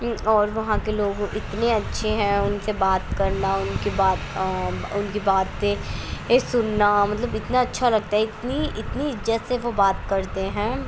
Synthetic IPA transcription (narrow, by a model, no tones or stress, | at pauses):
ɔːɾʋɐɦãkeloːɡɪt̪neɐtːʃʰeɦɛ̃ʊnsebaːt̪kɐɾnaʊnkibaːt̪ʊnkibaːt̪̚se | sʊnːamɐt̪ləbɪt̪naɐtːʃʰalɐɡ̚t̪aɦɛɪt̪niɪt̪niɪzət̪seʋobaːt̪kɐɾt̪eɦɛ̃ː